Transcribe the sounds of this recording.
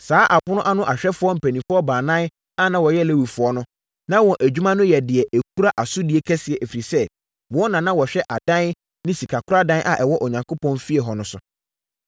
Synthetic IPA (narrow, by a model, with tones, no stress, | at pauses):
saː˨˦ʔa˨pʊ˦nʊ̃˦ʔa˦nʊ̃˦ʔa˨ɕᶣɛ˦fʊ˨˦ɔ˦m̩˨pʰæ˨nĩ˨fʊ˦ɔ˦bãː˨nã˦n | a˦nã˦wɔ˨jɛ˦˨le˦wi˨fʊ˨ɔ˦nʊ̃˦ | nã˦wɔ̃˨ʔæ˨d͡ʑᶣu˦mã˦nʊ̃˦jɛ˨dɪ˨ɛ˨ʔæ˨kʰu˦ɾa˦ʔa˨sʊ˦di˨˦e˦kʰɛ˦sɪ˨ɛ˨ʔfi˨i˨sɛ˦ | wɔ˦nã˨nã˦wɔ˨ɕᶣɛ˦ʔa˨dã˦n | nɪ̃˦si˨kʰa˨kʰʊ˦ɾa˦dã˦n˦ʔa̰˨ʔɛ˨wɔ˦ʔɔ˨ɲã˨ŋkʰo˦pʰɔ̃˦nfi˦ɛ˨ɦɔ˨nʊ̃˨sʊ˨